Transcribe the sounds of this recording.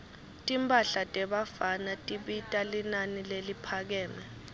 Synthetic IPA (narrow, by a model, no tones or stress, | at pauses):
tʼimpʼaɬatʼɛɓafanatʼiɓitʼalinanilelipʰak̬ɛːnɛ